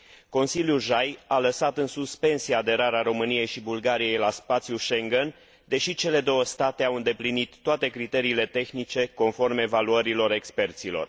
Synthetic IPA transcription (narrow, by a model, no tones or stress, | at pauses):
ko̞nsiljuʒajaləsat̪ɨnsuspe̞nsiaːd̪e̞ɾaɾeaɾo̞mɨnije̞jʃibulɡaɾije̞jlaspat̪sijuʃe̞ŋɡen | d̪e̞ʃit͡ʃe̞le̞d̪o̞wəst̪at̪e̞awɨnd̪e̞plinit̪ːoat̪e̞kɾit̪e̞ɾiːle̞t̪e̞xnit͡ʃe̞ko̞nfo̞rmevaluəɾilo̞ɾe̞kspe̞rt̪silo̞̰r